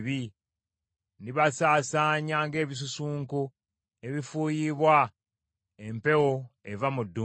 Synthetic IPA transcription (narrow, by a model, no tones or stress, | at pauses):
βi | niβasaːsaːɲaːŋɡe̞ːβis̬usuːŋku | e̞βifuːjiβwa | empe̞woevamudːu